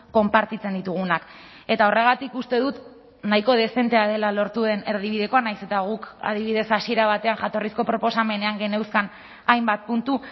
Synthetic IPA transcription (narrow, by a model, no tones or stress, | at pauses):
ko̞mpaɾt̪it͡se̞nd̪it̪uɣ̞unak | e̞t̪aore̞ɣ̞at̪ikust̪e̞ðut̪ | najko̞ð̞e̞se̞nt̪e̞aðe̞lalo̞ɾt̪uðe̞ne̞ɾð̞iβ̞iðe̞ko̞anajse̞t̪aɣ̞uka̰ðiβiðe̞sasie̞ɾaβ̞at̪e̞anʝat̪o̞risko̞pɾo̞po̞same̞ne̞aŋɡe̞ne̞wskan | ajmbat̪̚punt̪u